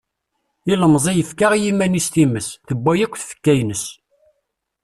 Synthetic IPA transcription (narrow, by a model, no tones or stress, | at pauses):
iləmzˤijəfkaʁjimænist̪iməsθəbːæjækʷːθfə̥kːæjnəs